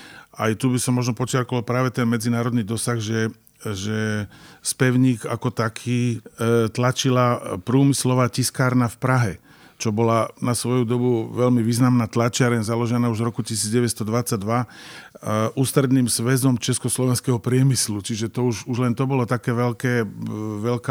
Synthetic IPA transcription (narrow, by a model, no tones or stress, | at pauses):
ajt̪ubisɔmːɔʒnɔpɔt͡ʃɪaɾkɔalpɾaːʋɛt̪ɛnmɛd͡zinaːɾɔd̪niːd̪ɔsaɣʒɛ | ʒɛspɛʊɲiːɡakɔt̪akʰiːt̪lat͡ʃilapɾuːmislɔʋaːciskaːɾnafpɾaɦɛ | t͡ʃɔbɔlanasʋɔjud̪ɔbuʋɛlmiʋiːznamnaːt̪lat͡ʃɪaɾɛnzalɔʒɛnaːuʒɾɔkucis̬iːd͡zɟɛʋɛst̪ɔd̪ʋat͡sːaɟ̚d̪ʋa | ʔuːst̪ɾɛd̪niːmzʋɛzɔmt͡ʃɛskɔslɔʋɛnskɛɦɔpɾɪɛmislut͡ʃiʒɛt̪ɔuʃuʒlɛnt̪ɔbɔlɔt̪akɛːʋɛʎkɛːʋɛlka